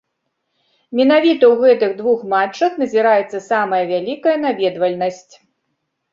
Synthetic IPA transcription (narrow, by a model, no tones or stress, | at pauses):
mʲɛn̪avʲit̪ɐwɣɛt̪ɨɣd̪vuxmat͡ʂːɐxnɐzʲiɾajɛt̪sːɐsamɐjɐvʲalʲikɐjɐnavʲɛd̪vɐlʲnɐsʲt͡sʲ